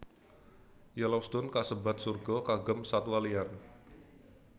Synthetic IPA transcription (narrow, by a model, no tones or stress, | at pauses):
jalɔst̪ʊnkasəbat̪̚surɡɔkaɡəmsat̪walian